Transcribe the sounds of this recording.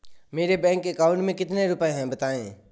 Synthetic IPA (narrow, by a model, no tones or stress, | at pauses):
meːɾebɛ̃ːŋkːeəkaːʊ̃ɳʈmẽkɪt̪neɾʊpẽɦɛ̃bət̪aːḛ̃ː